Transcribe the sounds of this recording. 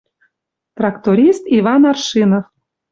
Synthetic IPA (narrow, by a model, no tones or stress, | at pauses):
t̪rɑkt̪oɾʲist̪ivɑnɑrʃinof